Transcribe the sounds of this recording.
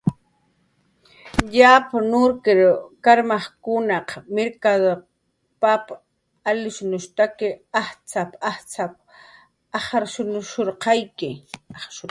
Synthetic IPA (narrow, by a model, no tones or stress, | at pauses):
ʎapanʊɾkɪɾkaɾmɑχkʊnɑqmeɾkad̪oɾ | pap | alɪʃʊnʊʃt̪akɪaχt͡sapaχt͡sap | ɑχɑɾʃʊnʊʃoɾqɑjkɪaʃʊ